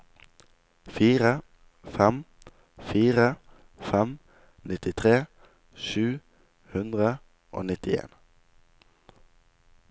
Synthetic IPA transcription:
fiːʁə | fɛm | fiːʁə | fɛm | nɪt̪ɪt̪ʰʁeː | ʃʉː | hʉnd̪ʁə | ʔo̰ːnɪt̪ɪḛːn

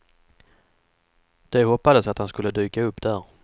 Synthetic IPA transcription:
d̪̥ɛhɔpːad̪əsat̪hanskɵlːəd̪y̟ːkaɵpːd̪̥æɾ

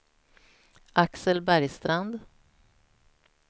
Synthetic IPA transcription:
ʔaksəlbæɾjst̪ɾand̪

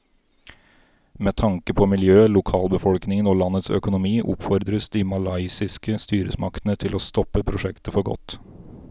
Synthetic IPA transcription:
mɛːt̪ʰɑŋkəpʰɔmɪljøːlʊkʰɑːlbəfɔlknɪŋənoːlɑnət̪sœ̰kʊnʊmiːʔʊ̰pfɔɾd̪ɾəsd̪ɪmɑlɑɪsɪskəst̪yːɾə̰smɑkt̪ənət̪ʰɪloːst̪ɔpːəpʰɾʊʂɛkt̪əfɔɾɡɔ̰t̪ː

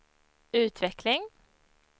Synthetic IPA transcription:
ʉːt̪ʰʋɪklɪŋ

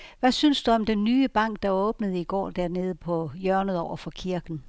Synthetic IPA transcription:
ʋæsynsd̥uɒ̽md̥enːyːəb̥ɑ̈ŋ̰ɡ̥̚d̥ɑ̈ɔ̽ːb̥nəð̞̩ˠiɡ̥ɒ̰ːd̥æɐ̰ne̝ːð̞ˠəpʰɒ̽jœɐnəð̞̩ˠɒʊɐfɒ̽kʰiɐɡ̥n̩

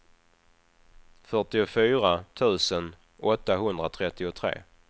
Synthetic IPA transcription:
fœʈɪʊfyːɾat̪ʰʉ̟ːsən | ɔt̪ːaɦɵnd̪ɾat̪ʰɾɛt̪ːɪʊt̪ʰɾḛː

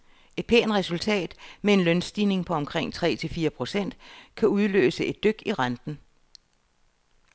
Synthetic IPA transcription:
e̥pʰe̝̰ːnʁɛsult͡sʰɛ̰ːd̥mee̝nlœnsd̥iːne̝ŋpʰɒ̽ɒ̽mkʰʁeŋ̰t͡sʰʁɛ̰ːt͡sʰe̝lfiːɐpʰʁo̝sen̰d̥kʰæuð̞ˠlø̰ːsəe̝d̥ːøɡ̥iʁand̥n̩

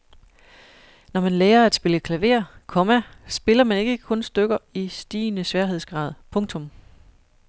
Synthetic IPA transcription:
nɒmænleːɐæd̥sb̥e̝ləkʰlæʋe̝̰ːɐ̰kʰɒ̽mæsb̥e̝lɐmæne̝ɡ̥əkʰɔ̽nsd̥øɡ̥ɐisd̥ḭːnəsʋɛɐɦe̝ð̞̰ˠsɡ̥ʁɑ̰̈ːð̞̰ˠpʰɔ̽ŋt͡sʰɔ̽m

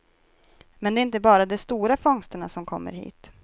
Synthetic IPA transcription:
mɛnɛːɾɪnt̪əbɑːɾad̪ɛst̪uːɾafɔŋst̪əɳa̰sɔmkʰɔ̰mːə̰ɾhḭːt̪

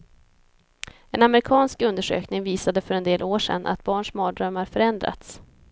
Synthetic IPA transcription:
ɛnamɾɪkʰɑːnskɵnd̪əʂø̰ːknɪŋviːsad̪əfœɾɛnd̪eːlʔoːʂɛ̰nːʔa̰t̪̚bɑːɳʂmɑːd̪ɾœmːaɾfœɾɛnd̪ɾa̰t̪s

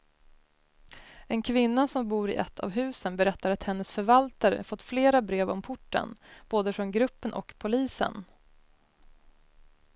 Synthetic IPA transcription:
ɛnkʰvɪnːasɔmbuːɾɪ̰ʔɛt̪ʰːa̰vɦʉ̟ːsənbɛɾɛt̪ːaɾat̪hɛnːəsfœɾvalt̪aɾə̰fɔt̪ːfleːɾabɾeːvɔmpʰʊʈːə̰nb̥oːd̪əfɾɔnɡɾɵpːənʔɔ̰kpʰʊliːsə̰n

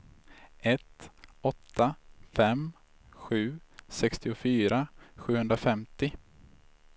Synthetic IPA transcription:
ʔɛt̪ɔt̪ʰːafɛm | ɧʉ̟ːsɛkst̪ɪʊfyːɾaɧʉ̟ːhɵnd̪ɾafɛmt̪ɪ

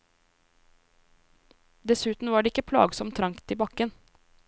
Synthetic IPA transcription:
d̪ɛsʉːt̪n̩ʋɑːɖɛːɪkəpʰlɑ̰ːɡsɔmt̪ʰːɾɑŋkt̪iːbɑkən

